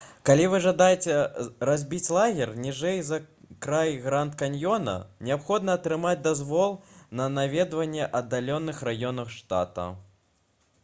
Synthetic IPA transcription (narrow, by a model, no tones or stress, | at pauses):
kalʲivɨʐɐd̪ajɛt͡sʲɛɾazʲbʲit͡sʲlˠaɣʲɛrnʲiʐɛjzɐkɾajɣɾant̪kanʲjɔnɐ̰nʲɛapxɔd̪nɐːt̪ɾɨmad͡zʲd̪azvɔlˠnɐnavʲɛd̪vɐnʲːɛʔɐd̪ːalʲɔnɨxrajɔnɐxʂt̪a̰t̪ɐ̰